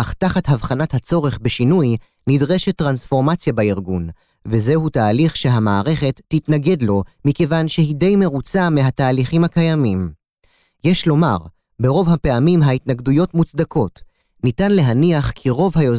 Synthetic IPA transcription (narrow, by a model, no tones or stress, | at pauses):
aχtaχatɦavχanathat͡so̞ʁe̞χbe̞ʃinuj | nidʁe̞ʃetːʁansfo̞ʁmat͡sjabaiʁɡun | veze̞hutaːliχʃe̞ɦamaːʁe̞χe̞tːitnaɡe̞dlo̞mikevanʃehide̞jme̞ʁut͡sameɦataːliχimhakajamim | jeʃlo̞ma̰ʁ | be̞ʁo̞vɦape̞amimɦaitnaɡdujo̞tmut͡sd̪akʰo̞t | nitanle̞ɦaniaχkʰiʁo̞vhajo